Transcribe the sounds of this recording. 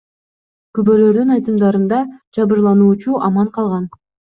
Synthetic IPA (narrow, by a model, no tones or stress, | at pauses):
kybølø̞ɾd̪ynɑjt̪ɯmd̪ɑɾɯnd̪ɑd͡ʒɑβɯɾlˠɑnuːt͡ʃuʔɑmɑɴqʰɑlˠʁɑn